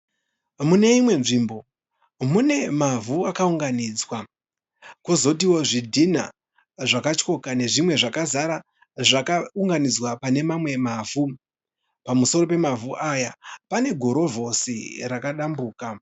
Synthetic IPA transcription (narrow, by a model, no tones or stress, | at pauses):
mune̞imwe̞nʐiːmbo̞ | mune̞mavuakauŋɡanid͡zwa | kozo̞tiwo̞ʐidʱina̰ | ʐakat͡ʃko̞kane̞ʐimwe̞ʐakazaɾa | ʐakauŋɡanid͡zwapane̞mamwe̞mavu | pamuso̞ro̞pe̞mavuʔajapane̞ɡʱo̞ɾo̞vʱo̞sḭɾakaɗambuːka